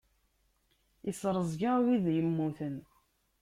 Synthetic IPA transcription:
isɾˤəzˤɡawiðjəmːuθən

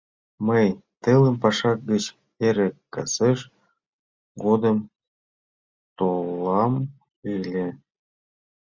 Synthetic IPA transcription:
məjt̪ələmpɑʃɑk̚ɡət͡ɕ | eɾekkːɑseʃ | ɡod̪ə̆m | t̪olːɑm | ɯlʲe

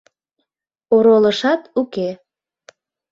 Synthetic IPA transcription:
oɾoləʃɑt̪uke

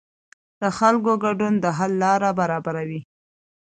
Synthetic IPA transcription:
d̪̥əxalk̬oɡaɖund̪əɦalːɑɾabaɾɑbaɾawi

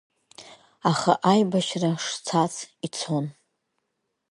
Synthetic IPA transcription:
aχa̰ʔajbaʃraʂt͡sʰat͡sʰit͡sʰon

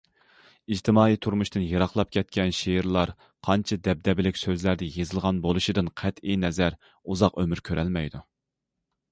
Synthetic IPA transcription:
id͡ʒt̪ʰɨmɑːit̪ʰuɾmuʃt̪ɨnjɑɾɑχlˠɑp̚kʲʰɛt̪̚kʲɛnʃejɾlˠɑɾ | qʰɑnt͡ʃʰɨd̪ɛb̚d̪ɛbɪlɪkʲsøzlæɾd̪ɛjezɨlˠʁɑnbolˠuʃid̪ɨnqʰɛt̪ijnɛzæɾ | uzɑqømyɾkʲʰøɾʔɛlmɛjd̪u

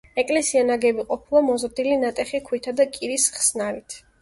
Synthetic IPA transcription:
ɛkʼlɛsianaɡɛbiqʼɔpʰilˠamɔzɾd̪ilinat̪ʼɛχikʰwit̪ʰad̪akʼiɾisχsnaɾit̪ʰ

